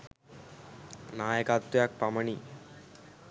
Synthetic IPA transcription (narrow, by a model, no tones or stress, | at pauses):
naːjɐkaːt̪ːujaːk̚pɐmɐɳi